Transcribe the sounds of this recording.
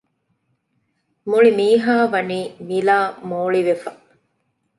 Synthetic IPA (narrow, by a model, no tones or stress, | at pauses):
muɭimiːɦaːʋɐniːmilaːmoːɭiʋefɐ